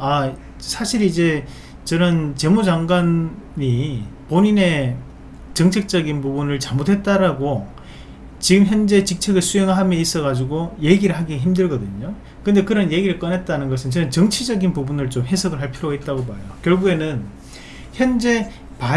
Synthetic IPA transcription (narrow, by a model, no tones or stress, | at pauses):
a | sʰaɕʰiɾid͡ʑe̞ | t͡ɕʌnɯnt͡ɕe̞mud͡ʑaŋɡwanːipoɲine̞ | t͡ɕʌŋt͡ɕʰe̞k̚t͡ɕ͈ʌɡinpubunɯɭt͡ɕamodwe̞t̚t͈aɾaɡo | t͡ɕiɡɯmçjʌnd͡ʑe̞t͡ɕik̚t͡ɕʰe̞ɡɯɭsʰueŋɯɭɦamjʌis͈ʌɣad͡ʑuɡoje̞ɡiɾɯɭɦaɡiçimdɯɭɡʌdɯɲo | kɯnde̞kɯɾʌnje̞ɡiɾɯɭk͈ʌnet̚t͈anɯnɡʌsʰɯnt͡ɕʌnɯnt͡ɕʌŋt͡ɕʰid͡ʑʌɡinpubunɯɭt͡ɕomɦe̞sʰʌɡɯɭɦaɭpʰiɾoɡait̚t͈aɡobaejokjʌɭɡue̞nɯn | çjʌnd͡ʑe̞ | pa